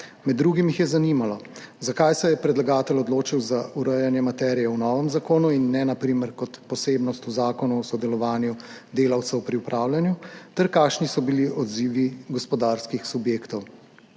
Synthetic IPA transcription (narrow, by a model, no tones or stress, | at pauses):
mɛd̪ːɾuːɡimjixjɛzanimalɔ | zakajsɛjɛpɾɛd̪laɡaːt̪ɛlɔd̪loːt͡ʃiwzauɾəjanjɛmat̪ɛɾijɛwnɔːʋəmzakoːnuinːɛnapɾimɛɾkɔt̪pɔseːbnɔst̪uzaːkɔnuɔsɔd̪ɛlɔʋaːnjud̪eːlɐwt̪sɛwpɾiupɾʔaːwljanjut̪ɛɾkaːkʃnisɔbiliʔɔd̪ziːʋiɡɔspɔd̪aːɾskixsubjeːkt̪ɔw